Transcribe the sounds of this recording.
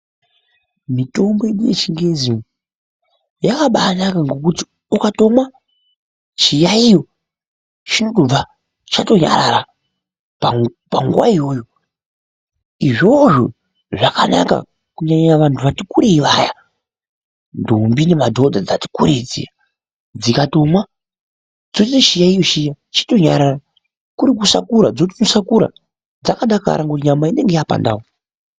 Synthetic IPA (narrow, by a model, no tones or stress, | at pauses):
mito̞mboeɗujet͡ʃiŋɡe̞zin | jakaɓaːnakaŋɡo̞kuti | ukato̞mwa | t͡ʃijaijo̞ | t͡ʃinokub͡va | t͡ʃato̞ɲa̰ɾaɾa | paŋɡuwa̰ijo̞ːjo̞ | iʐoʐo | ʐakana̰ka̰ | kuɲaɲaaʋantʰuʋatikuɾeiʋaja | ndombinemadʱo̞d͡zʱad͡zati̥kuɾed͡zḭa | d͡zikato̞mwa | d͡zotitiʃijaijoʃija | t͡ʃḁto̞ɲaɾara | kuɾik̬usa̰kuɾad͡zot̬inosakuɾa̰ | d͡zakaɗaka̰ɾaŋɡotiɲamaine̞ŋɡejapa̰nda̰wo